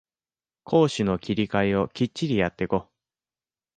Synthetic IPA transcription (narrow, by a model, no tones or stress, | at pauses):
kʰo̞ːɕino̞kʲiɾʲikaio̞kʲit͡ɕt͡ɕːiɾʲijat̪ːe̞ko̞